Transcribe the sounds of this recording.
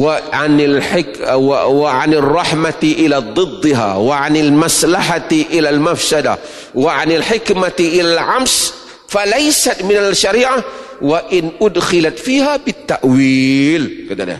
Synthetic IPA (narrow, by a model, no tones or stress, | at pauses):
wɪʕanɪlħɪkwwɪʕanɪrˤːɑħmaʔɪlad̪ˤːɨd̪ˤːɨɦa̰wɪʕanɪlmaslaħaʔɪlalmafsad̪a̰ | wɪʕanɪlħɪkmaʔɪlalʕams | falajsat̪mɪnalʃaɾiːʕa | wɪʔɪnʔʊd̪xɪlat̪fiːhabɪt̪ːaʔwiːlkɪd̪a̰la̰